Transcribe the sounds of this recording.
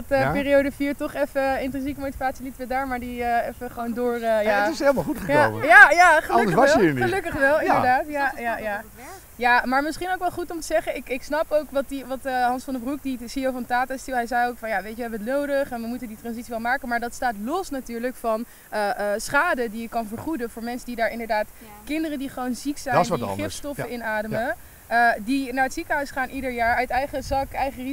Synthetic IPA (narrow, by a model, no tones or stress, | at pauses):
təpɪːɾiowdəfiːɹtɔχɛfəɪntɛnsikəmowti̥vaːtsilitəʋɛdaːɹmaːɹdiəɛfəχəʋowndʊːɹəjatɪseləmalˠχutχəjoməjajaχəəkdəsəɑsɛlˠiːniəlɵkəχʋɛlˠɪdəɹdaːtɪjajaja | jaːmaːɹmɪsχinowkʋɛlˠχutɔmtəzɛχəɪkɪksnɑpowkʋɑtiʋɑtəɦɑnsfɑndəbruk̚disijowfɑntaːtastɪlˠɦɛjzɛjowkfɑnjaːʋejtʋɛɦɛbənətnowdəχɛnʋəmutənditrɑnzitsiʋɛlˠmaːkəmaːɹdɑtstaːtlɔsnatyːɹləkfɑn | əsχaːdədiɪkːɑnvəɹχudəvʊːɹmɛnsədidaːɹɪndəɹdaːt | kɪndərəndiχəʋownziksɛjnsnɪftstɔfəɪnaːdəmə | ədinaːɹətsikəɦœɥsχaːnʔidəɹjaːɹœɥtɛjχəzɑkɛjχəri